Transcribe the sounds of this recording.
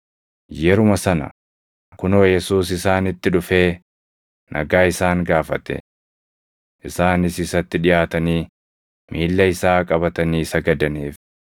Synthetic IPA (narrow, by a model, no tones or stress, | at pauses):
jɛɾʊmɐsɐnɐ̰ | kʊnoːjɛsuːsɪsaːnɪt̪ːɪᶑʊfe̞ː | nʔɐ̰ɡaːɪsaːŋɡaːfɐt̪ɛ̰ | ʔɪsaːnɪsɪsɐt̪ːɪᶑɪjaːt̪ɐniː | mʔiːlːɐɪsaːkʼɐbɐt̪ɐniːsɐɡɐd̪ɐniːf